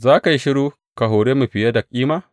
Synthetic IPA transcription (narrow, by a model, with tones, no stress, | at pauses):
zaː˦ka˨ji˦ʃɪ˦ɽuː˦ | ka˨ɦoː˨ɽeː˦mu˨ɸɪ˨ja˦dɐ˨kʲʼːiː˦maː˦